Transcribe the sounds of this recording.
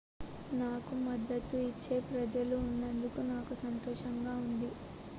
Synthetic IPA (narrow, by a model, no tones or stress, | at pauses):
naːkumɐd̪ːɐt̪ːuit͡ʃːe̞ːpɾɐd͡ʒɐluːnːɐnd̪ukunaːkusɐnt̪oːʂɐŋɡaːund̪i